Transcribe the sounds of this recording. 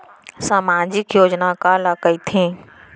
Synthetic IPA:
saːmaːd͡ʒɪkjoːd͡ʒnakaləkəit̪ʰẽː

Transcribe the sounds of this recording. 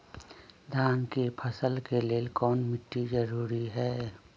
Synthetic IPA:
d̪ʱaːnkepʰɐsəlkeleːlkɔːnmɪʈːid͡ʒɐɾuːɾiɦɛː

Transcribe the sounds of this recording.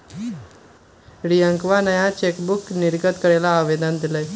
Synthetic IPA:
ɾiə̃ŋkʋanəjat͡ɕekbukniɾɡət̪kəɽelaːʋed̪ənd̪iləj

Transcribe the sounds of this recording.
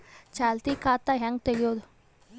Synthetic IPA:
t͡ʃaːlt̪ikaːt̪ːaɦaŋɡ̚t̪ejod̪

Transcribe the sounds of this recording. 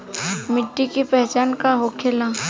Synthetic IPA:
mɪʈːikipɛɦt͡ʃaːnkaɦokʰelaː

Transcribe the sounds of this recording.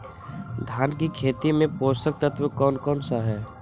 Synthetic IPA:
d̪ʱjaːnkikʰeːt̪imẽpoːst̪ək̚t̪ət̪ʰwəkɔːnkɔːnsaɦɛː

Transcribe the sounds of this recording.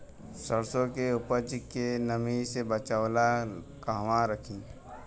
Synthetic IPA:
səɾsõkeʊpət͡ʃkenəmisebət͡ʃawla | kaɦʋãɾəkʰĩː

